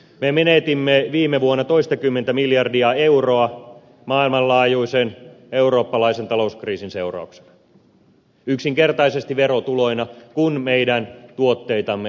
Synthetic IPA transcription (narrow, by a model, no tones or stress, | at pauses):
memenet̪imːeʋiːmːeʋuonːɑt̪oist̪ɑkymːent̪æmiljɑrdiɑeuroɑ | mɑːilmɑllɑːjuiseneuro̞ːpːɑlɑisent̪ɑlo̞uskriːsinse̞urɑ̰ukse̥n | yksiŋke̞rt̪ɑisest̪iʋeɾot̪ulo̞inɑkunmejdænt̪uot̪ːe̞jt̪ɑmːe